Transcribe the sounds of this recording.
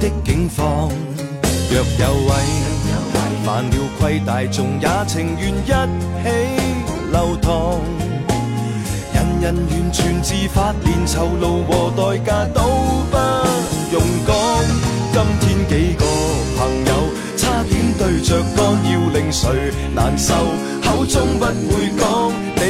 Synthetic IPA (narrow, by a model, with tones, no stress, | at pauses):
t̪ɪ˥kːɪ˨˥ŋfɔː˧ŋ | jœː˨k̚jɐ˨˧wːɐ˨˧j | maː˨nliː˨˧wkʷʰwɐ˧jt̪aː˨jt͡sʊ˨ŋjaː˨˥t͡sʰɪ˨ŋjyː˨njɐ˥t̚ | he˨˥j | lɐ˨˧wt̪ʰɔː˧˩ŋ | jɐ˨njɐ˨njyː˨˩nt͡ʃʰyː˨˩nt͡siː˧faː˧t̚liː˨nt͡sʰɐ˨˩wlo˨˧wwɔː˨t̪ɔː˨jkaː˧t̪o˨˥wfa˥jʊ˨˩ŋkɔː˥ŋkɐ˥mt̪ʰiː˥nke˨˥jkɔː˧pʰɐ˨˩ŋjɐ˨˧w | t͡sʰaː˥t̪ʰiː˨˥nt̪ɵ˧ɥt͡ʃœː˨kːɔː˥ŋji˧wlɪ˨ŋsɵ˨˥ɥ | naː˨˩nsɐ˨w | hɐ˨˥wt͡sʊ˥ŋpɐ˥t̚wuː˨˧jkɔː˥ŋ | ne˨˧